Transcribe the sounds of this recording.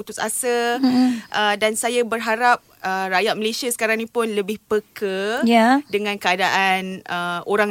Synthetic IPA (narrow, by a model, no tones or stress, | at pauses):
ut̪ʊsa̰sə | ʔədansajabərɦaɾap̚ʔərajaʔ̪̚məlesiasə̥kaɾaŋnĩpʊnləbɪhpəkəjadəŋãnkəadaʔanəʔoɾaŋ